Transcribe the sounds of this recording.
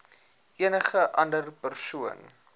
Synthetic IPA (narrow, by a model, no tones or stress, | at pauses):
ʔiənəχəʔɐndərpərsuən